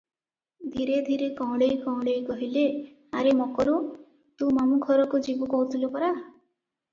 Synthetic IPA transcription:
d̪ʱiɾed̪ʱiɾekɔ̃wɽejkɔ̃w̃ɽejkɔɦile | aɾemɔkɔɾu | t̪umamukʰɔɾɔkud͡ʒibɔkɔut̪ʰilopɔɾa

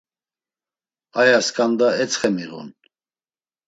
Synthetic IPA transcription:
ajaskʼand̪aɛt͡sʰχɛmiʁṵn

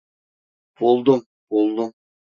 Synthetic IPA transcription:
b̥olˠd̪əm | b̥olˠd̪əm

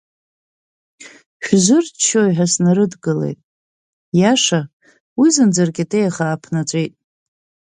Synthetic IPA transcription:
ħʷᶣzɨrt͡ʃʰːojħasnaɾɨdɡɨlḛjtʼ | jaʂa | wizɨnd͡zarɡʲatʰʼejaχaːpʰnat͡ɕʷʼejtʼ

